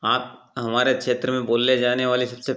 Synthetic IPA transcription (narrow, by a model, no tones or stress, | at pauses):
aːpɦɐmaːɾekʃeːt̪ɾəmẽboːlːed͡ʒaːneʋaːlisɐbse